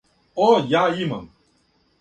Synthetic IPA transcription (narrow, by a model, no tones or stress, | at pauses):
oːjajimɐ̰m